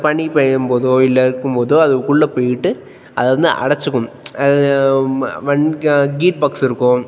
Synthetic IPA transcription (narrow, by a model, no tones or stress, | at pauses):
pɐɳipeumboːðoːilːɐɾkːumboːðoːɐðukːuɭːɐpejiʈːɨ | ɐðonːɨʔɐ̰ɽɐt͡ɕːukːum | ɐð | ʋɐnɡiːʈ̚bɐkseɾukːoː